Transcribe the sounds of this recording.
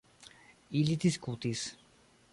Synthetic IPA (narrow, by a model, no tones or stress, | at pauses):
ilit̪iskut̪is